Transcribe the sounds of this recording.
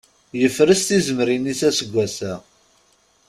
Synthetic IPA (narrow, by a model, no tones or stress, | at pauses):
jəfɾəst̪izəmɾinisæsəɡʷːæsæ